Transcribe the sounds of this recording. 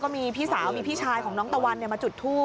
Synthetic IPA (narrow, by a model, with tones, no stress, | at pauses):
kɔː˥˩miː˧pʰiː˥˩saː˩˦wmiː˧pʰiː˥˩t͡ɕʰaː˧jkʰɔː˩˦ŋnɔː˦˥ŋt̪a˧wa˧nːi˨˩əmaː˧t͡ɕu˨˩t̪ʰːuː˥˩